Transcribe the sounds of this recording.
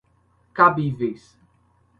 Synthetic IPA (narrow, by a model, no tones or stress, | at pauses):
kabivejs